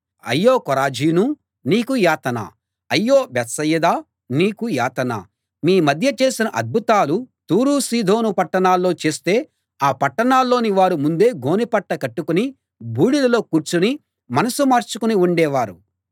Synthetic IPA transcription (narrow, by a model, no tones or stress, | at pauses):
ɐ̰jːoːkɔɾaːd͡ʒiːnu | niːkujaːt̪ɐna̰ː | ɐjːo̞ːbɛt̪sɐjːɐd̪aː | niːkuja̰ːt̪ɐna̰ː | miːmɐd̪ʱjɐt͡ʃe̞ːsinɐʔɐ̰d̪̚bʱut̪aːlut̪uːɾuːsiːd̪ʱo̞ːnupɐʈːɐɳaːlːo̞ːt͡ʃe̞ːst̪e̞ː | aːpɐʈːɐɳaːlːo̞ːniʋaːɾumund̪e̞ːɡo̞ːnipɐʈːɐkɐʈːukuni | bʱuːɽilɐlo̞ːkuːɾt͡ʃuni | mɐnɐsumaːɾt͡ʃukuniuɳɖɛːʋaːɾu